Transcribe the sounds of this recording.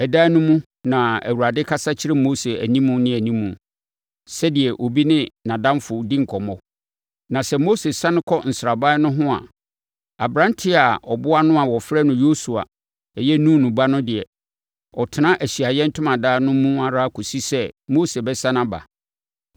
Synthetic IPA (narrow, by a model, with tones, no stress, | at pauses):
ɛ˨daː˦nʊ̃˦mũ˦ | nã˨æ̰˨wu˨ɾa˨dɪ˦kʰa˦sa˦t͡ɕʰɪ˦ɾɪ˦mo˦se˨æ˨nĩ˦mũ˦nɪ̃˦æ˨nĩ˦mũ˨ | sɛ˦dɪ˨ɛ˨ʔo˨bi˦nɪ̃˦nã˨dã˦mfʊ˨˦dĩ˦ŋ̩˨kʰɔ˨mɔ˦ | nã˨sɛ˦mo˦se˨sã˦nɪ̃˦kʰɔ˦n̩˨sɾa˨ba˦nʊ̃˦ɦʊ̃˦a̰˨ | a˨bɾã˦n˦tʰɪ˦a˨ɔ˨bʊ˦a˦nʊ̃˦a˨wɔ˨fɾɛ˦nʊ̃˦jo˦su˨a̰˨ | ɛ˨jɛ˦nũ˦˨nʊ̃˨ba˦nʊ̃˦dɪ˨ɛ˨ | ɔ˨tʰɪ˨nã˦ʔæ˨ɕi˨a˨jɛ˦n̩˦tʰʊ̃˦mã˨daː˦nʊ̃˦mũ˦a˦ɾa˦kʰɔ˨si˦sɛ˦mo˦se˨bɛ˦sã˦nã˦ba̰˨